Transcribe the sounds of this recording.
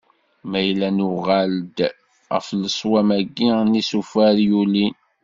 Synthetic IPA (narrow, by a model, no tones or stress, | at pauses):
mæjlːænuʁæld̪ | ʁəfləsˤwæmæɡːinisufæɾjuli